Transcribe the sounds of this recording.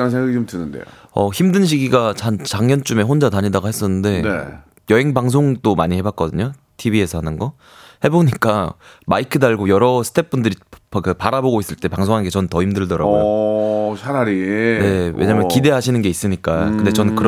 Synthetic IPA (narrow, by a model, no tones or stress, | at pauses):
k͈ansʰeŋɡaɡiomtɯnɯndḛʌçimdɯnɕ̬ʰiɡiɡat͡ɕant͡ɕaŋɲʌnt͡ɕ͈ume̞ɦond͡ʑataɲidaɡaɦe̞s͈ʌnːɯnde̞ne | jʌɦe̞ŋbaŋsʰoŋd͈omaɲihe̞bak͈̚ʌdɯɲo | tʰibie̞sʰʌhanɯnɡʌ | he̞boɲik͈amaikʰɯdaɭɡojʌɾʌsʰɯ̥tʰe̞p̚p͈undɯɾikɯpaɾaboɡois͈ɯɭt͈e̞paŋs̬ʰoŋanɡet͡ɕʌnɯntʌhimdɯɭdʌɾa̰ɡojoɕʰaɾaɾine̞wḛɲaːmjʌkide̞ɦaɕʰinɯnɡeis͈ɯɲik͈akɯnde̞t͡ɕʌnɯnkɯɾ